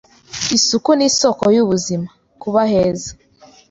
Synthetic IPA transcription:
isukuniso̞kojuβuzima | kuβaheːzḁ

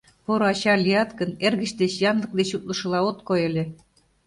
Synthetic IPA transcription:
poɾoɑɕɑlʲiɑt̪kɤ̆nerɣɘ̆ɕd̪eɕjɑnlˠɤ̆k̚d̪eɕut̪̚lɤ̆ʃɤ̆lˠɑot̪kojĕlʲĕ

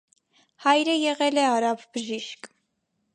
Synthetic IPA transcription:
hɑjɾəjɛʁɛlɛɑɾɑvbəʒiʃk

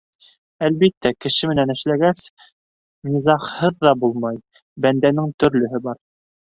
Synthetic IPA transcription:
ælβit̪ːækɘ̆ʃɘmɘ̆nænɘ̆ʃlæɡæs | nʲizɑqhɤðːɑbulˠmɑj | bænd̪ænɘŋt̪ɵ̆ɾlɵ̆ɦɘbɑɾ

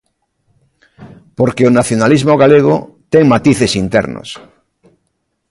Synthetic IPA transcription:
poɾkeonaθjonalizmoɣ̞aleɣ̞o̰ | t̪eŋmat̪iθesint̪ḛɾno̰s

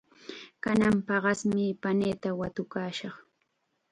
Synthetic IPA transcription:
kanampɑɢɑsmɪpaneːt̪awat̪ʊkaːʃɑχ

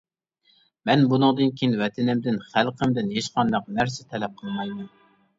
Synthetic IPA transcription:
mɛnbunɨŋd̪ɨnkʲʰijinwɛt̪ʰɪnɪmd̪ɪnχælˠqʰəmd̪ɪnjeʃqʰɑnd̪ɑqnæɾsɪt̪ʰɛlɛp̚qʰəlˠmɑjmɛn

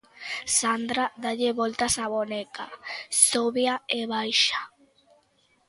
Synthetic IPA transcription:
sand̪ɾaðaʎeβɔlt̪asaβonekasoβjaeβajʃḁ

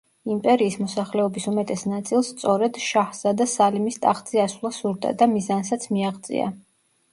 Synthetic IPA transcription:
impʼɛɾiːsmɔsaχlɛɔbisumɛt̪ʼɛsnat̪sʼilˠst̪sʼɔɾɛd̪ʃahsad̪asalimist̪ʼaχzʼiaswlˠasuɾd̪a̰d̪amizansat̪sʰmiaʁd̪t̪sʼḭa̰

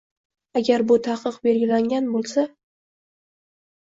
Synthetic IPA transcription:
aɡʲaɾbʊt̪ʰaqʰɨqbe̞lɡʲɪlaŋɡʲanbolˠsa

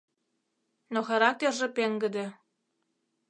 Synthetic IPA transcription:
noxɑɾɑk̚t̪ʲerʒĕpeŋɡɘ̆d̪ĕ

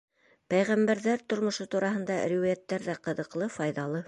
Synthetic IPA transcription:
pæjʁæmbæɾðæɾt̪ŏɾmŏʃot̪uɾɑɦɤ̆nd̪ɑɾʲiwæjæt̪ːæɾðæqɤ̆ðɤ̆qlˠɤfɑjðɑlˠɤ

